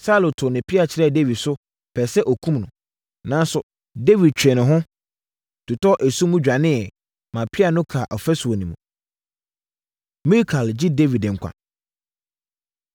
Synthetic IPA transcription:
sa˦lo˨tʰʊ˨nɪ̃˨pʰɪ˦a˨t͡ɕʰɪ˨ɾɛ˦˨de˦vi˨dsʊ˦ | pʰɛ˨sɛ˦ʔɔ˨kʰũ˦mnʊ̃˨ | nã˨˦n˦sʊ˨ | de˦vi˨d̚t͡ɕʰᶣɛ˨nɪ̃˨ɦʊ̃˦ | tʰʊ˨tʰɔ˦ʔæ˨sũ˦mũ˦d͡ʑᶣa˨nɪ̃˦ɛ˨ | mã˨pʰɪ˦a˨nʊ̃˦kʰa˨ʔɔ˨fɛ˦sʊ˨ɔ˨nĩ˨mṵ̃˨ | mi˦kʰa˨ld͡ʑɪ˦de˦vi˨dɪ̃˨ŋ̩˨kʷʰã̰˨

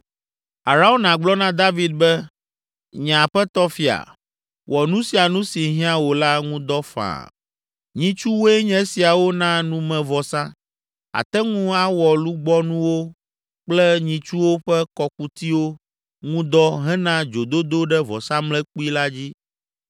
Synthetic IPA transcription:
a˨ɾa˦o˦nã˨ɡ͡blɔ˦nã˦d̪a˦vi˦d̪̚bɛ˦ | ɲã˨ɸɛ˦t̪ɔ˦fi˦a̰˨ | wɔ˨nũ˦si˨a˨nũ˦si˨ɦĩ˦ã˦wo˨la˦ŋũ˦d̪ɔ˦fã̰˨ | ɲĩ˨t͡ʃu˦wo˦ɛ˦ɲɛ̃˦si˨a˨wo˦nã˦nũ˦mɛ̃˨vɔ˨sã˦ | a̰˨t̪ɛ˦ŋũ˦a˦wɔ˨lu˦ɡ͡bɔ˦nũ˦wo˦ | k͡plɛ˦ɲĩ˨t͡ʃu˦wo˦ɸɛ˦kɔ˨k̚u˦t̪i˦wo˦ | ŋũ˦d̪ɔ˦ɦɛ̃˦nã˦d͡ʒo˨d̪o˦d̪o˦ɖɛ˦vɔ̰˨sã˦mlɛ̃˦k͡pu˦i˦la˦d͡ʑi˦

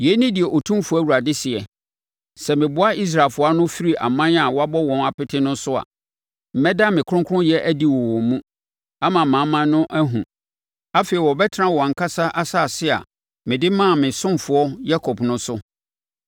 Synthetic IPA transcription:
jɛ˨˦nĩ˦dɪ˨ɛ˨ʔo˨tʰũ˦m˦fʊ˦æ˦˨wu˨ɾa˨dɪ˦sɪ˨ɛ˨ | sɛ˨mɪ̃˨bʊ˦a˦i˦s̬ɾa˨fʊ˦a˦nʊ̃˦fi˦ɾi˦ʔa̰˨mã˦n˦a˨wɔ˦a˦bɔ˦wɔ̃˨na˨pɪ˦tʰɪ˦nʊ̃˦sʊ˦a̰˨ | m̩˨mɛ˦da˦mɪ̃˨kʰʊ̃˦kʰʊ˦ʊ̃˦jɛ˦ʔæ˦di˦wɔ˨wɔ˨mũ˦ | a˦mã˨mã˨˦mã˦nʊ̃˦ʔæ˦ɦũ˨ | a˦fe˨i˨wɔ˨bɛ˦tʰnã˦wɔ˨a˨ŋ̩˨kʰa˦sa˦ʔa˦sa˦˨sɪ˦a̰˨ | mɪ̃˨dɪ˦mãː˦˨mɪ̃˨sʊ̃˦mfʊ˨ɔ˦ja˦kʰɔ˨bnʊ̃˦sʊ˦

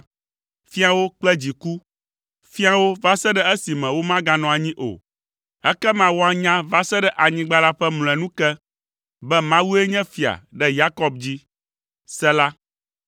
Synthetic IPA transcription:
fi˦a˨wo˦k͡plɛ˦d͡ʑi˨ku˦ | fi˦a˨wo˦va˦sɛ˦ɖɛ˦ɛ˦si˨mɛ̃˨wo˦mã˦ɡa˨nɔ̃˨a˨ɲĩ˦ʔo̰˨ | ɛ˦kɛ˦mã˦wo˦a˨ɲã˦va˦sɛ˦ɖɛ˦ʔa˨ɲĩ˦ɡ͡ba˦la˦ɸɛ˦ml̃ɛ̃˨nũ˦kɛ˦ | bɛ˦mã˦wu˦e˦ɲɛ̃˦fi˨a̰˨ɖɛ˦ja˦kɔ˦bd͡ʑi˦ | sɛ˦la˦

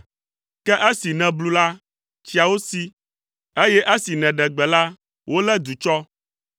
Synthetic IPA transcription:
kɛ˦ʔe˦si˨nɛ̃˨blu˦la˦ | t͡ɕi˦a˨wo˦si˦ | e˦jɛ˦ʔe˦si˨nɛ̃˨ɖɛ̃˨ɡ͡bɛ˨la˦ | wʔo˦lɛ˦d̪u˨t͡ʃɔ˦

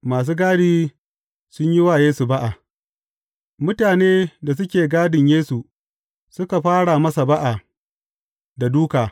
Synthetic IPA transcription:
maː˨s̬uː˦ɡaː˦diː˦ | sʊ˦ɲji˦waː˨jeː˦su˨ba˦ʔa˨ | mʊ˦taː˨neː˦da˨s̬ʊ˦kʲeː˨ɡaː˦dɪ˨ɲjeː˦su˨ | sʊ˦ka˨ɸaː˦ɽa˨mɐ˦sa˨ba˦ʔa˨ | da˨duː˦kaː˨

